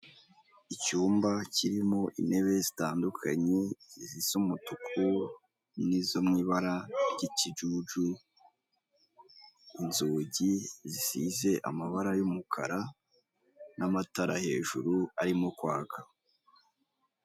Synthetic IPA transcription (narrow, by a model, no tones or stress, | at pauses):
icuːmbaciɾimo̞ʔḭne̞βe̞zitaːndukʰa̰ɲe̞zisomutukʰu | nizomŋiːβaɾaɾɟicid͡ʒuːd͡ʒu | inzuːɟizisize̞ʔa̰maβaɾajomukʰa̰ɾa | namataɾahe̞̰ːʒuɾuaɾimokwaːka